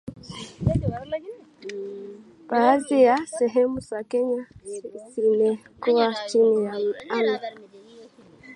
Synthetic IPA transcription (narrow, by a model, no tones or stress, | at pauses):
b̥aːzijasɛɦɛmusakɛɲazimɛ | kuwat͡ʃinijam̩ala